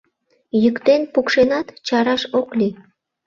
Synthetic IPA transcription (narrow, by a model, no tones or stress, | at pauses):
jykt̪enpukʃenɑt̪t͡ɕɑɾɑʃoklʲi